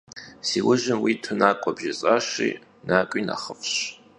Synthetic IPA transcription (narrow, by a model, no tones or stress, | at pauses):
siːwʊʒɪnwitʰʊnakʷʼɔbʒɪt͡sʼaʃḭː | naːkʷʼina̰χəfɕ